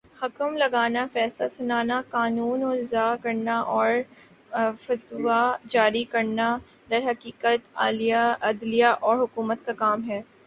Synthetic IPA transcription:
hɐkəmlɐɡaːnafɛːslasʊnaːnakaːnuːnoːɪzaːkɐɾnaʔɔːɾ | fɐt̪wad͡ʒaːɾikɐɾna | d̪ɐɾɦɐkiːkət̪a̰ːlijaɐd̪lijaʔɔːɾɦʊkuːmət̪kakaːmɦɛː

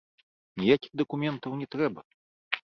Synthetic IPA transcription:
nʲijakʲiɣd̪ɐkumʲɛnt̪ɐwnʲɛt̪ɾɛbɐ

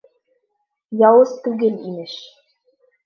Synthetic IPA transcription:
jɑwɤst̪uɡɘ̆lḭmɘʃ

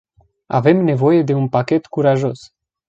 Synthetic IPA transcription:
a̰ve̞mne̞vo̞jed̪e̞unpakʲet̪kuɾaʒo̞s

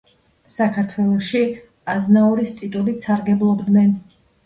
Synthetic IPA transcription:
sakʰaɾt̪ʰwɛlˠɔʃi | aznaɔɾist̪ʼit̪ʼulit̪saɾɡɛblˠɔbd̪nɛn

